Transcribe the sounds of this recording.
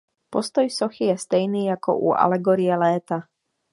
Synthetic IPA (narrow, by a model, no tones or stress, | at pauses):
post̪ɔjsɔxijɛst̪ɛjniːjako̰ʔṵʔa̰lɛɡoɾijɛlɛːt̪a